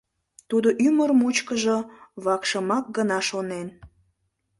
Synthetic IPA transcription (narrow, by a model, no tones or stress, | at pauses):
t̪ud̪oʔyməɾmut͡ɕkəʒoβɑkʃəmɑk̚ɡənɑʃonen